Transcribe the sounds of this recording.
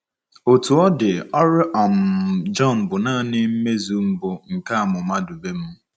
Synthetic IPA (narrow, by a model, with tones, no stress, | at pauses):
o˨tu˨ɔ˦dɪ˨ɔ˦ɾɪ˦ʔa˨m̩˨d͡ʒɔ˦˨n̩˨bʊ˨naː˦˨nɪ˦m̩˦me˦zu˨m̩˦bʊ˨ŋ̩˨ka˦a˨mʊ˨ma˦du˨be˦m̩˦